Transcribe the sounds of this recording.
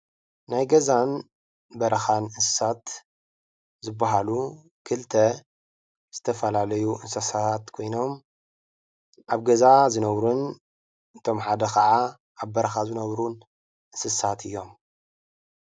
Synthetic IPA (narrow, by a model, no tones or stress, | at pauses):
najɡɐzan | bɐɾɐxanɨsɨ̥sat̪ | zɨbːaɦalu | kʰɨlt̪ʰɐ | z̥ɨt̪ʰɐfɐlalɐjuʔɨnsɐsat̪kʰo̞jno̞m | ʔaβɡɐzazɨnɐβɾun | ɨt̪ʰo̞mħad̪ɐxʰɐʕa | ʔaβbɐɾɐxazɨnɐβɾun | ʔɨsɨsat̪ʰɨjːo̞m